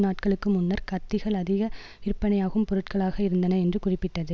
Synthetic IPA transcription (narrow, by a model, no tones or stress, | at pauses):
naːʈkɐɭɯkːɯmʊnːɐɾkɐt̪ːɪɣɐɭɐðɪɣɐ | ɪrpːɐnɐjaːɣɯmpɔɾɯʈkɐɭaːɣɐɪɾɯnd̪ɐnɐɛndrɯkʊrɪpːɪʈːɐðɯ